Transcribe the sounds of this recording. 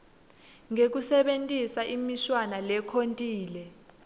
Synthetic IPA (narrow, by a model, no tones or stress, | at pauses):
ŋek̬usɛɓentʼisaʔimiʃwanalɛkʰontʼiːlɛ